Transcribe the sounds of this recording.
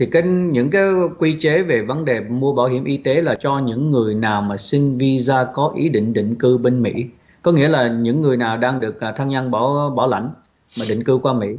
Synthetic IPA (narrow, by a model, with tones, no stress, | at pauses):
t̪ʰi˨˩ka˨˦ŋɲɨ̰˧˥ŋkaː˨˦jkwi˧t͡ɕe˨˦ve˨˩və˨˦nɗe˨˩mu˧əɓaː˧˩wɦi˧˩əmʔi˧t̪e˨˦laː˨˩t͡ɕɔ˧ɲɨ̰˧˥ŋːɨ˨˩əjnaː˨˩wmaː˨˩sï˧ŋ̟vi˧zaː˧kɔ˨˦ʔi˨˦ɗḭ̈˧˨ŋ̟ɗḭ˧˨ŋ̟kɨ˧ɓe˧nmḭ˧˥ | kɔ˨˦ŋḭ˧˥əlaː˨˩ɲɨ̰˧˥ŋːɨ˨˩əjnaː˨˩wɗaː˧ŋɗɨ˨˩ək̚ːt̪ʰaː˧ŋɲa˧nɓɔ˧˩ɓɔ˧˩la̰˧˩jŋ̟ | maː˨˩ɗḭ˧˨ŋ̟kɨ˧kwaː˧mḭ˧˥